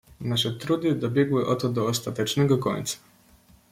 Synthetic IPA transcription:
naʃet̪ɾuːd̪id̪abeɡujeʔot̪od̪oost̪at̪at͡ʃneɡako̰n̰t̪se̥

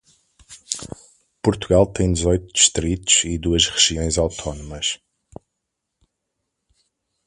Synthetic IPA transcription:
puɾt̪uɣalˠt̪ɐ̃j̃d̪ɨzɔjt̪ud̪iʃt̪ɾit̪u̥z̥iðuɐʃʁɨʒiõj̃zawt̪ʰɔnumɐʃ

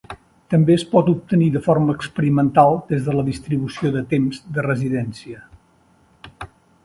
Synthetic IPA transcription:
t̪əmbeəspɔt̪up̚t̪əniðəforməːkspəɾimənt̪alˠd̪ezðələðist̪ɾiβusioðət̪emzðərəziðɛnsiə

